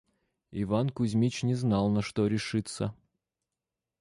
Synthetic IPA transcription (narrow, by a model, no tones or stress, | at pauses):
ɪvankʊzʲmʲit͡ɕnʲɪznɑlˠnɐʂt̪oɾʲɪʂɨt̪sə